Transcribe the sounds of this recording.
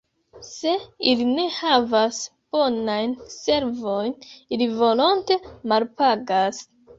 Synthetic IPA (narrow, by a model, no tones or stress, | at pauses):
se̞iline̞havas | b̥o̞najnse̞ɾvo̞jnilivo̞lo̞nte̞malpaɡas